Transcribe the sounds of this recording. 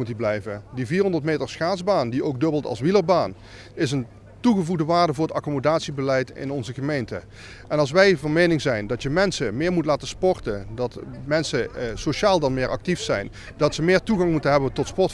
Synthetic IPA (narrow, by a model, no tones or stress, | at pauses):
utiblɛjvədiviːɹɦɔndəɹtmejtəɹsχaːzbaːndiʔowɡ̚dɵbəlˠtɑ̰lˠsʋiləbaːn | ɪsən | tuɣəvuɣdəʋaːɹdəvʊːɹətɑkomodaːtsibəlɛjtɪ̰nɔnzəɣəmejntə | ʔɛnɑlˠs̬ʋɛjvɑnmejnɪŋzɛjndɑtjəmɛnsəmɪːɹmutlaːtəspɔɹtədɑtmɛnsəsoʃaːlˠdɑnmɪːɹʔɑ̰k̚tifsɛjn | dɑtsəmɪːɹtuɣɑŋmutənɦɛbəntɔtspɔɹt